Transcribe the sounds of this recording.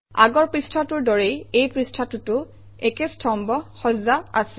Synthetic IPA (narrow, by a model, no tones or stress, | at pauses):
a̰ɡɔɹpɹistʰatʊɹdɔɹejejpɹistʰatʊtʊ | ɛkestʰɔmbɔxɔzaa̰sɛ̥